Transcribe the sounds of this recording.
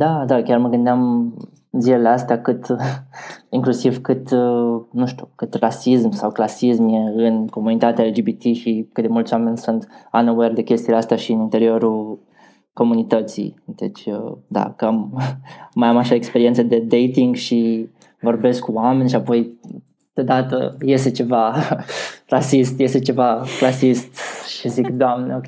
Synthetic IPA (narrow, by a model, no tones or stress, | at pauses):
d̪ad̪akʲarməɡɨnd̪eam | zileleast̪eakɨt̪ | iŋklusivkɨt̪nuʃt̪ʲu̥kɨt̪rasismsawklasismje̞ɨnko̞munit̪at̪eaeld͡ʒibit̪iʃikɨt̪d̪e̞mult̪sʲwame̞nʲsunt̪anowerd̪e̞kʲe̞st̪ieleast̪aʃiɨnint̪e̞ɾio̞ɾul | ko̞munit̪ət̪sḭjd̪̥e̞t͡ʃʲəd̪a̰kəamː | ajamaʃaekspe̞ɾient̪səd̪e̞d̪e̞jt̪iŋɡʃi | vo̞rbe̞skkːuamenʲʃiapo̞j | d̪̥od̪at̪ə̰je̞st̪e̞t͡ʃe̞va | rasist̪je̞st̪e̞t͡ʃe̞vaklasist̪ʃizikd̪oamneo